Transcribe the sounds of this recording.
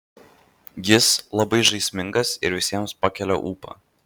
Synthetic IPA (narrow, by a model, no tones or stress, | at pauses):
jɪslˠɐbɐɪʒɐɪsʲmʲɪŋɡɐsɪɾʋʲɪsʲiɛmspɑkʲɛlʲo̰ːʔuːpɐ̰ː